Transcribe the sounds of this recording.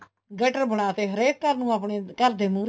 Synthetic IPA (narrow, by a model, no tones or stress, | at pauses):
ɡəʈəɾbəɽaːt̪eːɦəɾeːt̪̚kəɾnũːaːpɳeːkəɾd̪eːmũːɾ